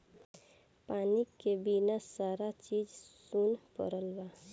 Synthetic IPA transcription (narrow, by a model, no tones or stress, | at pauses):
paːnikebinasaːɾat͡ʃiːd͡ʒsunpə̰ɾəlba